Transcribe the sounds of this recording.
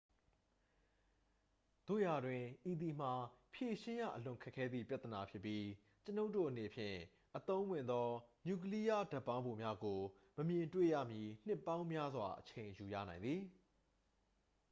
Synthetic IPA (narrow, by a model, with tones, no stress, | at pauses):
d̪̥o̰˦˨ja˨dwɪ̃˨ʔi˨d̪i˨m̥a˨pʰje˨ʃɪ̃˦ja̰˦˨ʔəlʊ̃˨ŋkʰɛ˦kʰːɛ˦d̪ðḭ˦˨pja˦t̪əna˨pʰjɪ˦pːji˦ | t͡ɕəno˦ʊʔtːo˦˨ʔəne˨pʰjɪ̰̃˦˨ | ʔət̪õ˦ʊ̃wɪ̃˨nd̪ɔ˦nju˨k̬əli˦ja˦da˦˨pːã˦ʊ̃bo˨mja˦ɡo˨ | məmjɪ̃˨ntwḛ˦˨jä̰˦˨mji˨n̥ɪ˦˨pːã˦ʊ̃mja˦zwa˨ʔət͡ɕʰẽ˨ɪ̃ju˨jä̰˦˨nã˨ɪ̃nd̪ði˨